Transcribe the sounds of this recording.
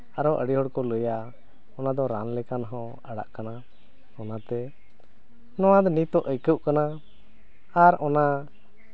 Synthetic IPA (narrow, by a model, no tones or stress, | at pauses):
aɾɔʔə̰ɽiɦɔɽkɔləja | ɔnad̪ɔɾa̰nlɛkanɦɔ̃ | əɽa̰ʔkana | ɔnat̪ɛ | nɔwãd̪ɔnit̪ɔʔəjkəʔkana | aɾɔna